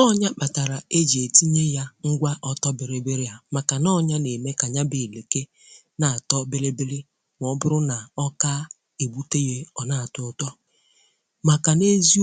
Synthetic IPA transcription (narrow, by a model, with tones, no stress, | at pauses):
ɔ˦ɲa˦k͡pa˨ta˨ɾa˨e˦d͡ʒe˨ti˦ɲe˦ja˦ŋ̩˦ɡʷa˦ʔɔ˦tɔ˦be˨ɾe˨be˦ɾi˦a˨ma˨ka˨nɔ˦ɲa˦ne˨me˦ka˨ɲa˦bɪ˨le˨ke˦ | na˨a˨tɔ˦be˦ɾe˦be˦lɪ˦ | m˨ɔ˨ɔ˦bʊ˦ɾʊ˦na˨ɔ˦ka˦ | e˨bu˦te˦je˦ɔ˨na˦˨a˨tʊ˨tɔ˦ | ma˨ka˨ne˦zi˦